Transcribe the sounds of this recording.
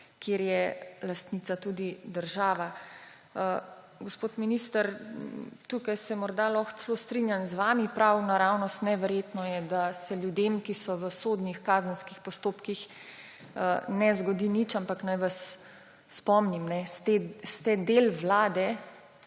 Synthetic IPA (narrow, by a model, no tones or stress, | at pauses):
kjeːɾjɛlast̪nit̪sat̪uːd̪id̪əɾʒaːʋa | ə | ɡospoːt̪miniːst̪əɾ | t̪ukajsɛmɔɾd̪alɔxt̪sɛloːst̪ɾinjanzʋaːmipɾawnaɾawnɔst̪nɛʋɛɾjet̪nɔjɛd̪asɛljud̪emkisɔʋəsoːd̪nixkaːzənskixpɔst̪oːpkix | ənɛzɡɔd̪init͡ʃampaknajʋasː | pɔmnimnɛst̪est̪ɛd̪elʋlaːd̪ɛ